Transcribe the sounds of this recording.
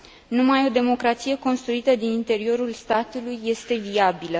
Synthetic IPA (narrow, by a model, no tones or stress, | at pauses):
numajo̞d̪e̞mo̞kɾat̪sije̞ko̞nst̪ɾuit̪əd̪inint̪e̞ɾio̞ɾulst̪at̪ulujːe̞st̪e̞viabilə